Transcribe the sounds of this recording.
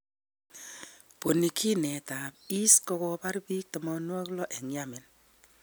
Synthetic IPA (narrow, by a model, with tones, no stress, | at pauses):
po˨ni˨kʰi˦nɛ˨ta˨pi˦skɔ˦kɔ˦ba˦ɾbi˦k̚tɔ˨mɔ˦nwɔ˦klɔ˦ʔe˨ŋja˦mɪ˨n